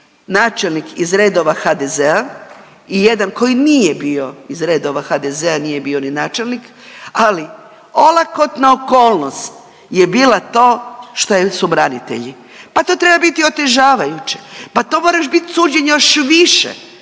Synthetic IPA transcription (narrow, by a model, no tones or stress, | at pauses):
naːt͡ʃelnikizɾe̞ːd̪o̞ʋaxad̪ezea | ijed̪anko̞jinijebio̞izɾeːd̪o̞ʋaxad̪ezeanije̞bio̞ninaːt͡ʃelnik | ali | o̞lˠakot̪naoko̞ːlˠnost̪ | je̞biːlat̪o̞ːʃt̪ojesubɾanit̪ḛʎi | pat̪o̞ːt̪ɾe̞babit̪io̞t̪e̞ʒaːʋajut͡ɕepat̪o̞ːmoɾaʃbit̪suːd͡ʒeɲejoʃʋiʃḛ